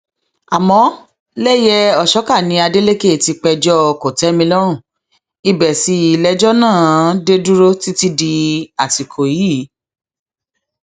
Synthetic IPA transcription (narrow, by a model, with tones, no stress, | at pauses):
a˨mɔ̃˨˦ | lɛ˦jɛ˦ɔ˨ʃɔ˨˦ka˦˨nĩ˧˦a˧de˦le˦ke˦˨ti˧k͡pɛ˧d͡ʒɔ˦˧ko˨tɛ˨˦mĩ˧lɔ˦ɾ̃ũ˦˨ | i˧bɛ˨si˨˧˦i˨lɛ˦d͡ʒɔ˦nãː˦˨˦de˦du˦ɾo˦ti˦ti˦di˧a˨ti˨kʰo˨ji˦˨˦